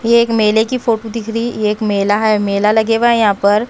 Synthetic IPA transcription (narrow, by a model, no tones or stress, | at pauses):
jeːkmeːlekifoːʈod̪ɪkʰɾijeeːkmeːlaɦɛmeːlalɐɡeːʋaɦɛjɐɦãːpɐɾ